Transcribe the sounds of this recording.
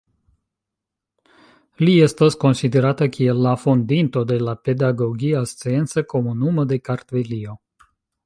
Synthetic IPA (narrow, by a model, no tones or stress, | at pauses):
liest̪ost̪̚ko̞nsid̪e̞ɾat̪əkʰeelːafond̪int̪o̞d̪e̞lape̞d̪aɡo̞ɡiast͡sient̪səko̞munuməd̪e̞kaɾt̪velio̞